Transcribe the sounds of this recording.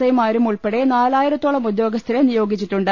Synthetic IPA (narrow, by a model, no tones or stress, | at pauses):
ɐjmaːɾumuɭpeɽenaːlaːjiɾɐt̪ːo̞ːɭɐmud̪jo̞ːɡɐst̪ʰiɾɐnijo̞ːɡit͡ɕːiʈːuɳɖɨ